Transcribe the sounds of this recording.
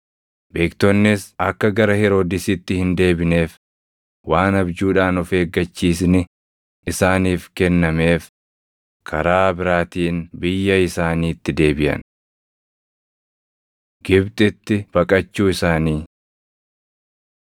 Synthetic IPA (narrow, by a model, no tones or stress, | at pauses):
be̞ːkt̪ɔnːɪsɐkːɐɡɐɾɐhɪɾo̞ːd̪ɪsɪt̪ːɪhɪnd̪e̞ːbɪne̞ːf | waːnɐbd͡ʒuːᶑaːnʊfe̞ːɡːɐt͡ʃːiːs̬nɪ | ɪsaːniːfkɛnːɐme̞ːf | kʰɐɾaːbɪɾaːt̪iːnbɪjːɐɪsaːniːt̪ːɪd̪e̞ːbɪjɐ̰n | ɡɪbt̪ʼɪt̪ːɪb̥ɐkʼɐt͡ʃːuːɪsaːniː